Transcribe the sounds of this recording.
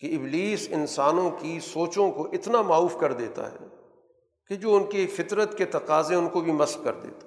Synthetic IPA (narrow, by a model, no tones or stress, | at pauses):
keɪbliːsɪnsaːnõkisoːt͡ʃõkoʔɪt̪namaːuːfkɐɾd̪eːt̪a̰ɦɛ̰ː | ked͡ʒoːʊnkifɪt̪ɾət̪ket̪ɐqaːzẽʊnkobʱimɐslkɐ̰ɾd̪ḛːt̪ḁ